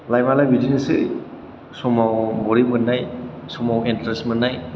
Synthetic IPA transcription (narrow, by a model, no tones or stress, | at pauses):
lajmalajbidinesɯ̰ | sɔmawbɔɾimɯnːajsɔmawentɾesmɯnːaj